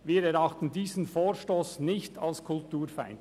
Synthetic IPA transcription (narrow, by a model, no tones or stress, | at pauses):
ʋiːɾɛɾɑχtən̩diːzən̩foːɾʃtoːsnɪçtʰɑlskʰʊltuːɾfa̰ɪnd